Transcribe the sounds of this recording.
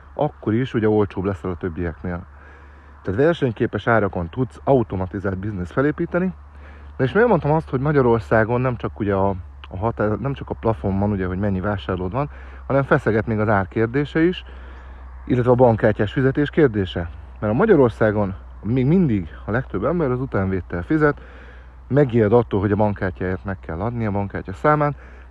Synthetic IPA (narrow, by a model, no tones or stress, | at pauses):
ɒkːo̞ɾiʃuɟɛo̞lt͡ʃoːblɛsɛlɒt̪ø̞bːijɛkneːl | t̪aːt̪vɛrʃɛɲkeːpɛʃaːɾɒko̞nt̪ut̪sɒut̪o̞mɒt̪izaːld̪biznesfɛleːpiːt̪ɛni | d̪ɛeːʃmeeɛlmo̞nt̪ɒmɒst̪ho̞ɟmɒɟɒɾo̞rsaːɡo̞nːɛmt͡ʃɒkuɟɛɒː | ɦɒt̪aːnɛmt͡ʃɒkɒplɒfo̞mbɒnuɟɛɦo̞ɟmɛɲːivaːʃaːrloːd̪ʋɒn | hɒnɛɱfɛsɛɡɛt̪meːɡɒzaːrkeːrd̪eːʃɛiʃ | ʔilːɛt̪vɛːbɒŋkaːcːaːʃfizɛt̪eːʃkeːrd̪eːʃɛ | mɛɾɒmɒɟɒɾo̞rsaːɡo̞n | meːɡmind̪iɡɒlɛkt̪ø̞bːɛmbɛɾɒzut̪aːɱveːt̪ːɛlfizɛt̪ | mɛɡiːld̪ɒt̪ːolɦo̞ɟɒbɒŋkaːcːaːeːrt̪mɛkːɛlːɒd̪niɒbɒŋka̰ːcːɒsaːmaːt̪